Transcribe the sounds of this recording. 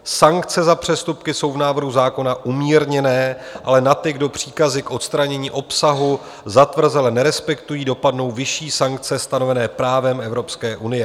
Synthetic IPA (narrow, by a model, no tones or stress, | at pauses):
saŋkt͡sɛzapr̝̥ɛst̪upkɪso̞wvnaːvr̩ɦuzaːko̞naʔumiːɾɲɛnɛːʔalɛnat̪ɪɡdo̞pr̝̥iːkazɪkʔo̞t̪st̪ɾaɲɛɲiːʔo̞psaɦu | zat̪vr̩zɛlɛnɛɾɛspɛkt̪ujiːdo̞padno̞wvɪʃiːsaŋk̚t͡sɛst̪ano̞vɛnɛːpɾaːvɛmɛvɾo̞pskɛːʔunɪjɛ